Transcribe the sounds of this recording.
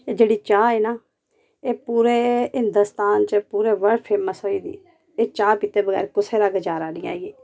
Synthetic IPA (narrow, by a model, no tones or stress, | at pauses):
eːd͡ʒeːɽiːt͡ʃaːeːnaː | eːpuːɾeːɦɪnd̪ʊst̪aːnt͡ʃəpuːɾeːʋəɽpʰeːməsoːiːd̪ḭː | eːt͡ʃaːpiːt̪eːbəɡɛ̰ːɾkʊseːɾaːɡəd͡ʒaːɾaːnĩːa̰ːiɡiː